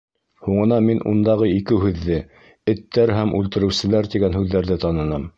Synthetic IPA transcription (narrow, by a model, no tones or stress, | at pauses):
huɴɤ̆nɑminʔṵnd̪ɑʁɤikɘɦʉðːɘ | ɘ̆t̪ːæɾɦæmʔʉlt̪ɘ̆ɾɘ̆wsɘ̆læɾt̪iɡænɦʉðːæɾðɘt̪ɑnɤ̆nɑm